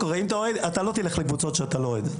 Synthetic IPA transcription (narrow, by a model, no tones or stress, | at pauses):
koʁeimt̪aoed̪at̪alo̞t̪ileχlekvut͡so̞tʃeat̪alo̞oed̪